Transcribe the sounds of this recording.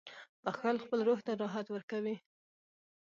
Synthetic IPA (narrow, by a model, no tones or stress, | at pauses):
pəxalxpəlɾoht̪aɾɑɦat̪wəɾkawi